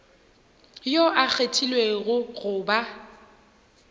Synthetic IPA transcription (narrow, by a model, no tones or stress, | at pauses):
joʔak͡xʰetʰilweɣʊɣʊːba